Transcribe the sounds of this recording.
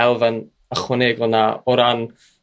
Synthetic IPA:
ɛlˠvən | əχwəneɡlˠnaɔɾan

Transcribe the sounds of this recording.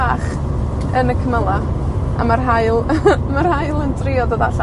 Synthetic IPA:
aːχ | ənəkʰəməlˠa | a̰marɦaɨlˠmarhajlˠəndrɪɔdɔðaɬa

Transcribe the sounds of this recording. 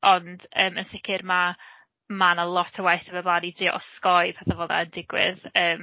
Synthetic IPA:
ɔnd̥əːmənsɪkʰɪrma | manəlˠɔtʰəwajθəməblˠaːdidɪʔɔ̰skɔɨpʰaθavɔða̰əndɪɡwɪ̰ðəːm

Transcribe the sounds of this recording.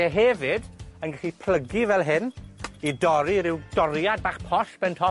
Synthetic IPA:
ɛɦɛvɪdənɡaɬipʰl̥əɡivɛlˠɦɪnidɔɾiɾɪwd̥ɔɾjad̚baːχpʰɔsb̥ɛntʰɔ

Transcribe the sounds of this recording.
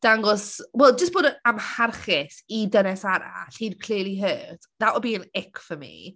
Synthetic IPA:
d̥aŋɡɔswɛlˠd͡ʒəsb̥oːdamharχɪθidənɛsaɾa̰ɬiːdkʰlɪliɦəːtʰdaʔɔbiːənɛkfəmḭ

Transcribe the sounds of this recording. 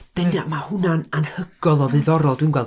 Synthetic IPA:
d̥ənaʔmahʊnananhəɡ̥ɔlˠɔvɨɨðɔɾɔlˠdwinɡwɛlˠ

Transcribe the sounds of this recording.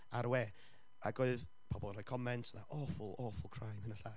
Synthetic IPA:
aɾwɛː | aɡoɨð | pʰɔbɔlˠnrɔjkʰɔmɛntʰəðaʔɔfʊlˠɔfʊlˠkʰr̥ajmhənaɬa

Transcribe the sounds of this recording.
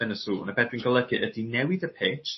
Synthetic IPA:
ənəsṵːnəbɛdwɨnɡəlˠəɡɨʔədinɛwɪðəpʰet͡ʃ

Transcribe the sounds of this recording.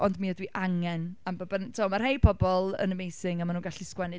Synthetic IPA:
ɔndmiːədwiʔaŋɛnambɔbɛntʰɔmar̥hejpʰɔbɔlˠə̰nəmejsɪŋamanuːnɡaɬɪskwɛnɨ

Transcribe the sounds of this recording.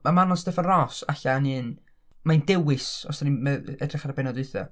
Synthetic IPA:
mamanɔstɛfənrɔsaɬanɨːn | maɨndɛwɪsɔsanimɛɛdrɪχarbɛnɔdʊɨθɔ̰

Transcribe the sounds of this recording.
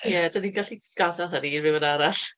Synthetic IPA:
jɛdaninɡaɬiɡ̥aðɛðˠɦənirɪwənaɾaɬ

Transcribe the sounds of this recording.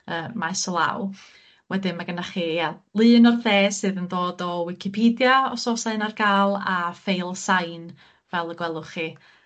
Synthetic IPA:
əːmaɛsɔlˠa̰w | wɛdɪnmaɡənaχijalˠɨːnɔrðeːsɨːðəndoːdɔwɪkʰɪpʰiːdjaɔsɔsaɨnarɡaːlˠafejlˠsajn | vɛlˠəɡwɛlˠʊχi

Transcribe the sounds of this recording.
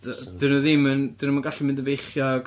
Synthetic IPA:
d̥ɨnɔðɪmɨnd̥ɨnumanɡaɬimɪ̃ndəvejχjɔɡ

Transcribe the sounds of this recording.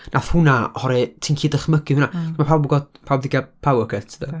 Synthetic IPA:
nʔaθhʊnahɔɾitʰiːnkʰiːdəχməɡɪunamapʰawbɡɔdpʰawbðɪɡapʰawəkʰɛtʰdə

